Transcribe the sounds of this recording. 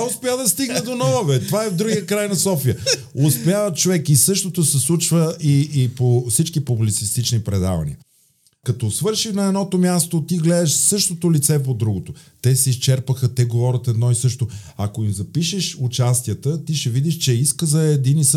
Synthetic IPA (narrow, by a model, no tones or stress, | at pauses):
aʊspɛjad̪ɐst̪iɡnɛd̪onɔvɐvɛt̪ovaɛvd̪ɾuɡiəkɾajnɐsɔfiə | ʊspjavət̪t͡ʃovɛkisɤʃt̪ot̪osɛslˠut͡ʃvəiːpofsit͡ʃkipublit̪sist̪it͡ʃnipɾɛd̪a̰vɐ̰nḭə | kɐt̪osvɤɾʃixnɐɛd̪nɔt̪omʲjast̪ot̪iɡlɛd̪əʃsɤʃt̪ot̪olit̪sɛpod̪ɾuɡot̪o | t̪ɛsɛist͡ʃɛɾpəxət̪ɛɡovɔɾʲət̪ɛd̪nɔisɤʃt̪oɐkoimzɐpiʃɛʃʊt͡ʃast̪ijət̪ət̪iʃɛvid̪iʃt͡ʃɛiskəzɐɛd̪inis